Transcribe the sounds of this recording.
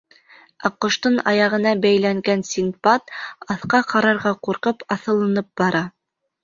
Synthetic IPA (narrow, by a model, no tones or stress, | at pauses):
ɑqŏʃt̪ɤnɑ̰jɑʁɤ̆nɑbæjlæŋɡænsʲiŋpɑt̪ɑθqɑqɑɾɑɾʁɑquɾqɤpɑθɤ̆lˠɤ̆nɤp̚bɑɾɑ